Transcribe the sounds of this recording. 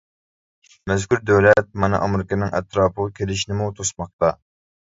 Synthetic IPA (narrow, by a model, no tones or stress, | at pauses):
mɛzkʲyɾd̪ɛwlɛt̪̚mɑnɨ̰ʔɑmɾɪkʲɑnːɨŋʔɛt̪ɾɑːpʰəʁɑkʲʰelɪʃinɪmut̪ʰosmɑq̚t̪ɑ